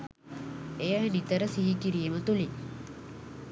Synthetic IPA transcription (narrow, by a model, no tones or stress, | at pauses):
ejənit̪əɾəsiɦikiɾijəmət̪uli